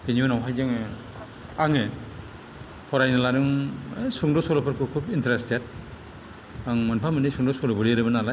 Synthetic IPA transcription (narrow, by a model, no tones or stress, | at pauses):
hiniɔnawɦajzaŋ | aŋɯ | pʰɔɾajnalaɾɯŋsuŋdɔsɔɾɔpʰɯɾkʰukʰubintɾestet̚ | aŋmɯnpʰamɯnisuŋdɔsɔɾɔbɯɾiɾɯbɯnalaj